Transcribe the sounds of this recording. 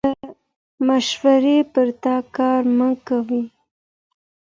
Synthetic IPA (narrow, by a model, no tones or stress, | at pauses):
ə | maʃwaɾepəɾt̪ɑkɑɾməkawi